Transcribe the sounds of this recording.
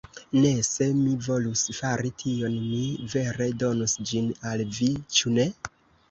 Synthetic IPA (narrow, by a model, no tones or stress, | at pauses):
ne̞se̞mivo̞lusfaɾitʰio̞nmive̞ɾe̞do̞nusd͡ʒinalvit͡ʃune̞